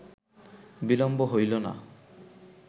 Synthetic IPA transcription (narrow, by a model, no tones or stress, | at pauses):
bilɔmbɔɦojlɔna̰